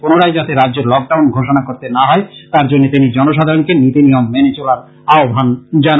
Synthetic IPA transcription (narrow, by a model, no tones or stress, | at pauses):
ponoɾajd͡ʑat̪eɾadd͡ʑeɾlɔk̚ɖawnɡʱoʃ̬onakoɾt̪enaɦɔet̪aɾd͡ʑonːet̪inid͡ʑɔnoʃ̬ad̪ʱaɾonikenit̪inijomːenet͡ɕolaɾ | aobʱand͡ʑa